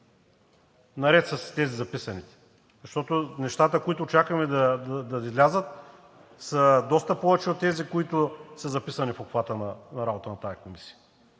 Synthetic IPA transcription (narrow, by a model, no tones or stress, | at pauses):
nɐɾɛt̪sɐst̪ɛzizɐpisɐnit̪ɛ̥ | zɐʃt̪ɔt̪onɛʃt̪at̪əkoit̪ʊt͡ʃakəmɛd̪ɐd̪ɐd̪ɐizlʲazət̪ | səd̪ɔst̪əpɔvɛt͡ʃɛot̪ːɛzikoit̪ʊsəzɐpisɐnifokfvat̪ənɐnɐɾabot̪ənɐt̪ajɐkomisi̥jə